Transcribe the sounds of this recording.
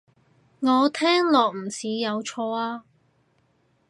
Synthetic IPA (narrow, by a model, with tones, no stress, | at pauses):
ŋɔː˨˧t̪ʰɛː˥ŋlɔː˨k̚m̩˨˩siː˨˧˥jɐ˨˧wt͡ʃʰɔː˧aː˧